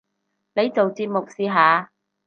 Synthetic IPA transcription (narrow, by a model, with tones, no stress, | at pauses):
ne˨˧jt͡so˨wt͡siː˧p̚mʊ˨k̚siː˨ɦaː˨˧